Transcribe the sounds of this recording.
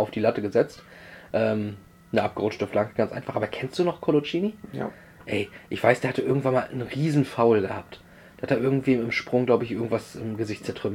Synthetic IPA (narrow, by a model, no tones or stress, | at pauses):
aʊfd̥iːlatəɡəzɛt͡stʔɛːm | nəʔap̚ɡ̥əʁʊt͡ʃtəflaŋkəɡ̥ant͡sʔa̰ɪnfaχʔaːbɐkʰɛnstd̥uːnɔχkʰolot͡ʃiːni | ʔɛɪʔɪçv̥aɪsd̥eːɐhatəʔɪɐɡŋ̩tvanmaːlʔənʁiːzn̩faʊlɡəhaːp̚t | d̥eːɐhateɛɐʔɪɐɡŋ̩tv̥iːɪmʃpʁ̥ʊŋɡlaʊbəɪçʔɪɐɡŋ̩tv̥asɪmɡəzɪçtt͡sɛɐtʁ̥ʏm